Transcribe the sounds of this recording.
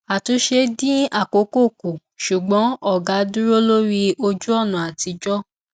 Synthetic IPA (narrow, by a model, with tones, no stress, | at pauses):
a˨tu˧˦ʃe˧dĩ˦a˦˨ko˨˦ko˦˨ku˨ | ʃu˨ɡ͡bɔ̃˨˦ɔ˦˨ɡa˨˦dũ˦ɾo˦lo˦ɾi˧o˧d͡ʒu˦ɔ˦˨nũ˨˦a˨ti˧˦d͡ʒɔ˦